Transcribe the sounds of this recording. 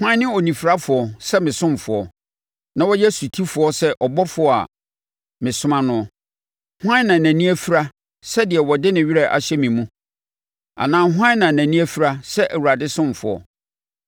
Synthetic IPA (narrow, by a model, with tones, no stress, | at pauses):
hʊ˦ã˦nɪ̃˦o˨nĩ˨fi˨ɾa˦fʊ˨ɔ˨sɛ˦mɪ̃˨sʊ̃˦m˨fʊ˨ɔ˨ | nã˦wɔ˦jɛ˦su˨tʰi˦fʊ˨˦ɔ˦sɛ˦ʔɔ˨bɔ˦fʊ˨ɔ˨˦a̰˨ | mɪ̃˨sʊ˦mã˦nʊ̃˦ɔ˨ | hʊ˦ã˦nã˨næ̃˨nĩ˦æ˦fi˦ɾa˦ | sɛ˦dɪ˨ɛ˨wɔ˨dɪ˦nɪ̃˨ɥi˦ɾɛ˨ʔa̰˨ɕɛ˦mĩ˨mũ˦ | a̰˨nãː˦˨ɦʊ˦ã˦nã˨næ̃˨nĩ˦æ˦fi˦ɾa˦sɛ˦ʔæ˨wu˨ɾa˨dɪ˦sʊ̃˦m˨fʊ˨ɔ̰˨